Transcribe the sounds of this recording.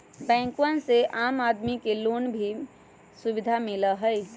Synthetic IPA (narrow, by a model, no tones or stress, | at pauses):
bɛ̃ːŋkwənseʔaːmaːd̪mikeloːnbʱi | sʊʋɪd̪ʱamɪləɦəi